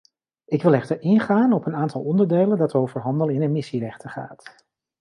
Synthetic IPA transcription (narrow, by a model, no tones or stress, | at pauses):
ɪkʋɪlˠɛχtəɹɪnχaːnɔpənaːntɑlˠɔndəɹdejləndɑtowvəɹɦɑndəlɪnəmɪsirɛχtəχa̰ːt